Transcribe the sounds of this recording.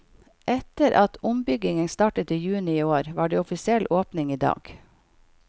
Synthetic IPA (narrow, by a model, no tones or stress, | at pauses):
ʔɛt̪əɾʔɑt̪ʊmbʏɡɪŋənst̪ɑːʈət̪iːjʉːnɪiːoːɾʋɑːɖeːɔfɪsɪɛlʔoːpnɪŋiːd̪ɑ̰ːɡ̥